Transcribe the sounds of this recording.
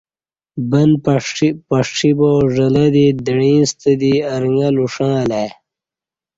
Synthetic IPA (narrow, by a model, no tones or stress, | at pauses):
bɐnppɐʂʂiboːʐɐlɐd̪id̪əɽĩːnst̪əd̪iɐɾŋɡɐluʂãːleː